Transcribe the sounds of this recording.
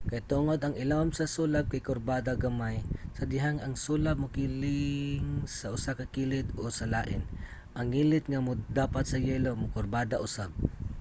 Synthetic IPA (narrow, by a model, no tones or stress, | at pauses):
kɐjt̪uːŋod̪ɐŋɪlamsɐsuːlab̚kajkʊɾbaːd̪aɡɐmajsɐd̪ɪɦaŋɐŋsuːlab̚mʊkiːlɪŋsɐʔʊsakɐkiːlɪt̪osɐlaːʔɪn | ʔɐŋːiːlɪt̪̚ŋamʊd̪aːpat̪̚sɐjɛːlomʊkʊɾbaːd̪aʔʊsab̚